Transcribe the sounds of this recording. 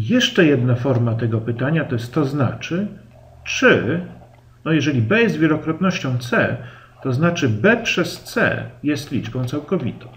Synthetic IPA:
jɛʂt͡ʂɛjɛd̪nafɔɾmat̪ɛɡɔpɘt̪aɲat̪ɔɛst̪ɔzna̰t͡ʂɘ | t͡ʂɘ | nɔjɛʐɛlʲibɛzvʲjɛlɔkɾɔt̪nɔɕt͡ɕɔ̃w̃t̪sɛ | t̪ɔznat͡ʂɘbɛpʂɛst̪sɛ̰jɛst̪lʲid͡ʐbɔ̃w̃t̪sawkɔvʲḭt̪ɔ̃w̃

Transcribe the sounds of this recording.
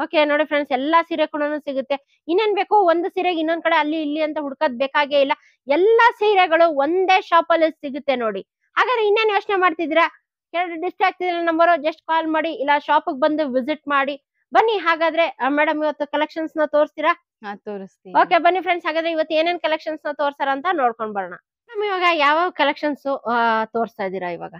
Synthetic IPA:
oːke̞noːɽipʰɾeɳɖsɛlːɐsiːɾekuɽɐnuːsiɡut̪ːe̞ | inːeːnbeːkuond̪usiːɾeɡinːond̪̚kɐɽeɐlːiːlːiɐnt̪ɐɦuɽkod̪̚beːkaːɡeːilːɐ | ɛlːɐsiːɾeɡɐɭuʋond̪e̞ːʃaːpɐlːisiɡut̪ːeno̞ːɽi | haːɡaːd̪ɾeinːe̞ːnjo̞ːt͡ʃnemaːɖt̪id̪iːɾɐ | kɛɭɐɾuɖisʈɾaːk̚t̪id̪iɾɐlɐnɐmbɐɾud͡ʒɐsʈ̚kaːlmaːɽiːlːɐʃaːpuɡ̚bɐnd̪uʋiziʈ̚maːɽi | bɐnːiɦaːɡaːd̪ɾe̞meːɽɐmiʋɐt̪ːukɐlekʂɐnsnɐt̪o̞ːɾst̪iːɾa | t̪oːɾist̪io̞ːke̞bɐnːipʰɾeɳɖsɦaːɡaːd̪ɾe̞iʋɐt̪ːue̞ːneːnkɐlekʂɐnsnɐt̪oːɾsaːɾɐːnt̪ɐnoːɽko̞ɳɖbɐɽɐɳɐ̰mɛːɽɐmiʋaːɡɐjaːʋakɐlekʂɐnsut̪oːɾst̪ajd̪iːɾɐiʋa̰ːɡɐ

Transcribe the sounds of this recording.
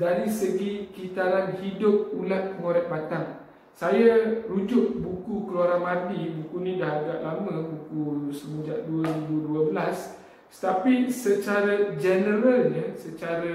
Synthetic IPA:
daɾisəɡikit̪alanhidʊp̚ulat̪̚əŋoɾɛk̚bat̪aŋ | sajarud͡ʒʊʔ̚bukukəluaɾaŋmadibukunĩdaɦaɡaʔlamə̃bukusəməɲd͡ʒaʔduəɾibuduəbəlas | t̪apisət͡ʃaɾad͡ʒənəɾalɲə̃sət͡ʃaɾa

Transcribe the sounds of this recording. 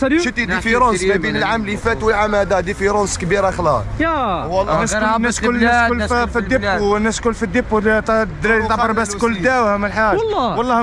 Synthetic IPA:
ʃət̪id̪ifiɾosæbinəlʕamlifæt̪wəlʕamæd̪æd̪ifiɾonskbiɾaxlɑ | wɑlːæsnːæskʊlːlffid̪ənːæskʊlːfid̪əpːut̪d̪t̪ɑəɾbæskʊlːd̪æwhæməlħaʒːwɑlˤːɑh

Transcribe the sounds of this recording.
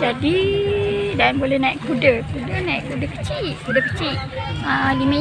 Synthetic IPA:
d͡ʒadi | danbolɛhnaiʔkudəkudənaḭʔkudəkət͡ʃiʔkudəkə̥t͡ʃiʔalimə̃

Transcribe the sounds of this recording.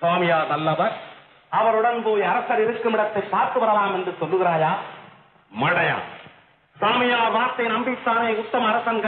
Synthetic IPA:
saːmɪjaːðɐlːɐʋɐɾ | ɐʋɐɾɯɽɐnpoːjɐɾɐsɐɾɪɾɯkːɯmɪɽɐt̪ːɐɪpːaːɾkɯʋɐɾɐlaːmɛndrɯsɔlːɯɣɪɾaːjaː | mɐɽɐja̰ː | saːmɪjaːɾʋaːɾt̪ːɐɪnɐmbɪt̪ːaːneʊt̪ːɐmɐːɾɐsɐnɡɐ

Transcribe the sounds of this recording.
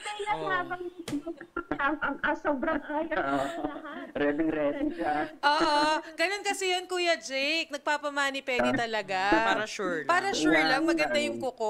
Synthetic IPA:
b̪ɐlɐhaːbɐŋinoɐɐŋʔɐŋʔɐsoːbɾɐŋaːjɐ | ɾɛdɪŋɾɛɪŋd͡ʒaʔoːʔoɡɐnonkɐsɛjonkuːjɐd͡ʒɛjk̚nɐɡ̚paːpɐmaːnipwɛːd̪it̪ɐlɐɡaaɾɐʃuɹpaːɾɐʃuɹlɐŋmɐɡɐnd̪ajʊŋkʊko

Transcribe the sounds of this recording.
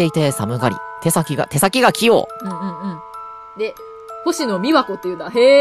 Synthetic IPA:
e̞it̪e̞samɯ̟ɡaɾʲḭt̪e̞sakʲiɡa̰t̪e̞sakʲiɡakʲijo̰ːɯ̟̃ɴɯ̟̃ɴɯ̟̃ɴ | d̪e̞ | ho̞ɕino̞mʲiβako̞t̪ːejɯ̟noahe

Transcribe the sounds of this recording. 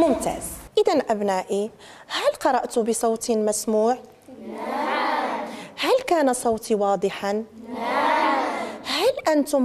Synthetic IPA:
mʊmt̪a̰ːzʔɪd̪anʔæbnæːʔi | hælqɑɾˤɑʔt̪ʊbəsˤɑwt̪mæsmuːʕ | hælkæːnasˤɑwt̪ʰiwɑːd̪ˤəħan | hælʔant̪ʊm

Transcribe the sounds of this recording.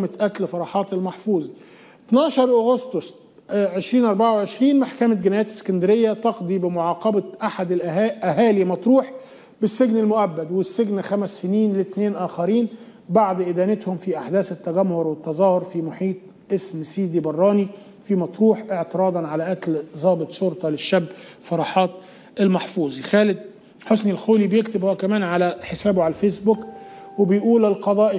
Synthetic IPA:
mɪt̪ʔæt̪lfɑɾˤɑːħɑːt̪elmɑħfuːzˤ | t̪nɑːʃɑɾˤʔoɣost̪osˤ | ʕeʃɾiːnʔɑɾˤbaʕawʕeʃɾiːnmaħkæmæt̪ɡɪnæːjæːt̪ɪ̥sːkænd̪ɪɾɪjːæt̪ɑqd̪ˤiːbɪmʊʕɑːqɑbæʔaħad̪ɪlʔʔæɦæːlimɑt̪ˤɾuːħ | bɪsːeɡnɪlmʊʔæbːæd̪wɪsːeɡnxæmæsːɪniːnlɪt̪neːnʔæːxæɾiːn | baʕd̪ʔɪd̪æːnɪt̪hʊmfiʔaħd̪æːsɪt̪ːæɡæmhʊɾwɪt̪ːɑzˤɑːhʊɾfimʊħiːt̪̚ˤ | ʔɪsmsiːd̪ibɑrˤːɑːni | fimɑt̪ˤɾuːħʔɪʕt̪ɪɾˤɑːd̪ˤɑnʕalæʔæklzˤɑːbɨt̪ˤʃoɾt̪ˤɑlɪʃːæbːfɑɾˤɑːħɑːt̪̚ | ɪlmɑħfuːzˤixæːlɪd̪̚ | ħosnɪlxoːlibjɪkt̪ɪbhoækæmæːnʕalæħesæːboʕalæfeːsbʊkwɪbɪjʔuːlɪlqɑd̪ˤɑːʔ

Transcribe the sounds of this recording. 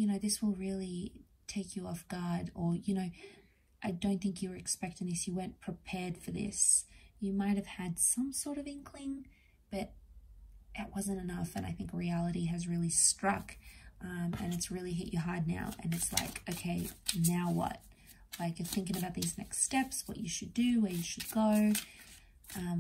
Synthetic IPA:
jɨñoʊðɪswəlˠɹɪlˠi | tʰeɪkjɨɔfɡ̥ɑɾə˞jɨnoʊ | ʔaɪdõʊ̃nθɪ̃ŋkjɨwə˞ɨkspɛk̚tɪ̃ŋɨsjɨwɜ̃˞npʰɹ̥ɨpʰɛɹd̥fə˞ðɪ̰sjɨmaɪt̚hɨv̥ɨd̥sʌ̃msɔɹɾʌvɪ̃ŋkʰlɪ̃ŋ | b̥ʌɾ | ʔɪʔ̚wʌzɨ̃ntɨnʌfɨ̃na̰ɪθɪ̃ŋkɹiælˠəɾiɨzɹɪlˠistɹ̥ʌkʔʌ̃mɨ̰̃nɨtsɹɪlˠiɦɪt͡ʃəɦɑɹdⁿna̰ʊʔɨ̰̃nɨtsla̰ɪkoʊkʰeɪnaʊwʌ̰t̚ | laɪkjə˞θɪ̃ŋkɪ̃ŋəbaʊt̪̚ðiznɛ̰kststɛpswʌ̰t͡ʃɨʃɨdɨwə˞jɨʃɨd̚ɡoʊ | ʔʌ̃m

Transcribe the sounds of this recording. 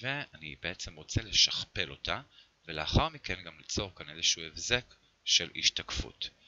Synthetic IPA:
veanibe̞et͡semʁo̞t͡sele̞ʃaχpelo̞tʰa | veleaχaʁmikenɡamlit͡so̞ʁkanezeʃuefze̞k | ʃelḭʃtakfṵt

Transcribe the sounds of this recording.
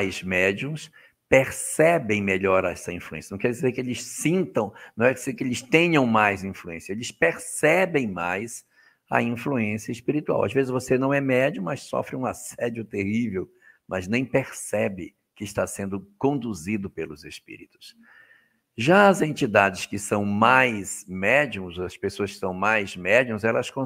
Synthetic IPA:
ajzmɛd͡ʒiũs | peɾsɛbẽj̃meʎɔɾɛsɐĩfluẽsjɐñkɛɾd͡ʒizekɪelɪssĩnt̪ɐ̃w̃nɐ̃w̃ɛkɪzekɪelɪst̪ẽɲɐ̃w̃majzĩfluẽsjɐelɪspeɾsɛbẽj̃majz | ɐ̰ĩfluẽsiɐɪspiɾit̪ua̰wa̰zvezɪzvosenɐ̃w̃ɛmɛd͡ʒʊmɐssɔ̰fɾɪũasɛd͡ʒʊt̪ehivew | mɐznẽj̃peɾsɛbɪ | kɪɪʃt̪asẽnd̪ʊkõnd̪uzid̪ʊpelʊzespḭɾit̪ʊ̥s | ʒaɐzẽnt͡ʃid̪ad͡ʒɪskɪsɐ̃w̃majsmɛd͡ʒiũzɐspesoɐskɪ̥sɐ̃w̃majzmɛd͡ʒiũzɛlɐskõ

